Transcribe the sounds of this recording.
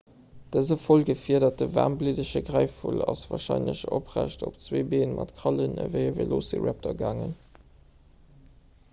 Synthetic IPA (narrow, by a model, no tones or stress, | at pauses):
d̥əzəfolɡəfiɐdɐt̚dəvaːʁmblidəʃəɡʁæɪfulɑsvɑːʃɑɪnləɕo̰pʁæʃtʰopt͡sweːbeːnmʔɑtkʁɑlənə̰vəɪəveloːsḭɹæp̚tʰɐɡaːŋən